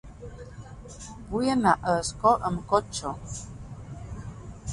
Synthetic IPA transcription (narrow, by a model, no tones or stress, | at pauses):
bujənaʔəskɔʔəmkɔt͡ʃɔ